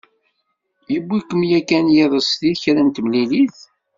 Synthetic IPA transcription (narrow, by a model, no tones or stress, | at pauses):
jəbːikəmjækænjeðˤəsθiðçɾænt̪mliliθ